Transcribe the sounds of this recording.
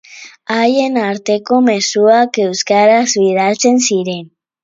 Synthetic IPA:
aje̞naɾt̪e̞ko̞me̞suake̞wskaɾazβiðalt͡se̞nsiɾe̞n

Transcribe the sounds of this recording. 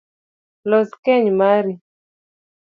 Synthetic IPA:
lɔskɛɲmaɾi

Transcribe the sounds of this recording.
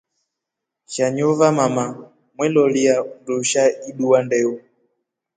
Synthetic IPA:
ʃaɲɔvamama | mwɛlɔliaunduʃaiɗuwandɛu

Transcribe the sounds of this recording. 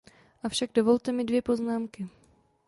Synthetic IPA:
ʔafʃaɡdo̞vo̞lt̪ɛmɪdvjɛpo̞znaːmkɪ

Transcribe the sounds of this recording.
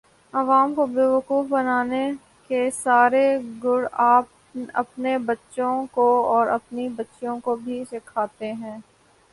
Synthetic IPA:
ɐʋaːmkobeːʋəkuːfbɐnaːne | kesaːɾeɡʊɽaːp | ɐ̰pnebɐtːʃõkoɔːɾɐ̰pnibɐtːʃõkobʱiʃɪkʰaːt̪eɦɛ̃ː

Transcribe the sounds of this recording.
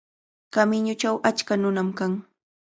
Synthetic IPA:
kamɪɲʊt͡ʃawʔat͡ʃkanʊnamkaŋ

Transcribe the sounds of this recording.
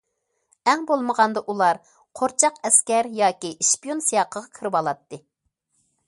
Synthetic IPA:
ɛŋbolˠməʁɑnd̪ɑʔulˠɑɾ | qʰoɾt͡ʃʰɑqɛskʲɛɾjɑːkʲiʔiʃpijonsijɑqʰəʁɑkʲʰiɾɨwɑlˠɑt̪ːɨ

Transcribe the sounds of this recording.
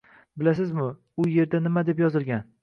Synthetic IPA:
bɪlas̬ɪzmʊ | ʊje̞ɾd̪anɪmad̪e̞pjɒzɪlˠɡʲan

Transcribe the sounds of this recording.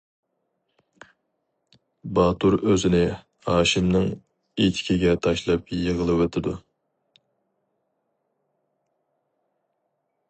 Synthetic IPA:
bɑːt̪uɾøzɪnɪ | hɑːʃimnɨŋ | et̪ʰɪ̥kʲʰiɡʲɛt̪ʰɑʃlˠɑp̚jəʁəlˠɨwet̪ʰɪd̪u

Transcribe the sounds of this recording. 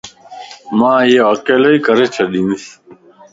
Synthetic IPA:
mãːjeʋakeːləiːkəɾeːt͡ʃʰəɗĩːnis

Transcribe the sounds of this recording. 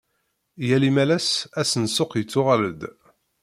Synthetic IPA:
jælimælæsæsənsʊqjət͡sːʊʁæləd̪

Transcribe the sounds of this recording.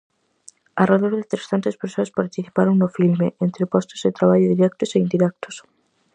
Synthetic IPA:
araðoɾðɪt̪ɾesθant̪espeɾsoɐspaɾt̪iθi̥paɾoŋnʊfilmeʔent̪ɾɪpɔst̪ʊzðɪt̪ɾaβ̞aʎʊðiɾɛk̚t̪ʊseind̪iɾɛk̚t̪ʊ̥s

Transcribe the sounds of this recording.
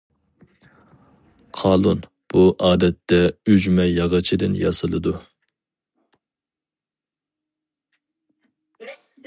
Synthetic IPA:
qʰɑːlˠun | b̥uʔɑːd̪ɛt̪ːɛyd͡ʒmɛjɑʁɑt͡ʃʰid̪ɨnjɑ̰sɨlˠɨd̪u

